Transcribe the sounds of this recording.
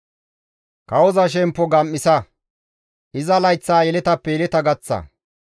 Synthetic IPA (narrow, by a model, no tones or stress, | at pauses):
kɐwɔzɐʃ̬ɛmpːɔɡɐmːɪsɐ | ʔɪzɐlɐjt͡sːaːjɛlɛt̪ɐpːɛjɛlɛt̪ɐɡɐt͡sːɐ̰